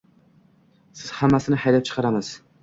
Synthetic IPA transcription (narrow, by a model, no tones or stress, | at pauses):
sɪz̥hamːæsɪnɪħajlap̚t͡ʃʰɨ̥qʰɑɾamɨz̥